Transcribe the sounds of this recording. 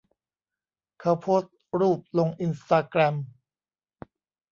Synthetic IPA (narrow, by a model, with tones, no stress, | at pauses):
kʰa˧wpʰoː˦˥t̪̚ɾuː˥˩p̚lo˧ŋʔi˧nst̪aː˧kɾɛ˧m